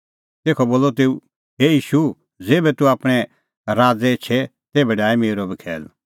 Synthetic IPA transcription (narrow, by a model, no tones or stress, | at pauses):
t̪eːkʰɔboːlːɔt̪eːu | ɦeːjiːʃu | d͡zeːbɛt̪uaːpɽ̃ɛ | ɾaːd͡zɛt͡ʃʰɛ | t̪ebɛɖaːimeːɾobikʰɛ̰ːl